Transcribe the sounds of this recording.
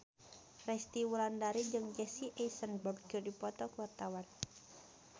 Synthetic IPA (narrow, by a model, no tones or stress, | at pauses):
rɛst̪iwulandaɾid͡ʒɨŋd͡ʒɛsiʔɛjsənbɔɡɡurdipɔt̪ɔkəwart̪awan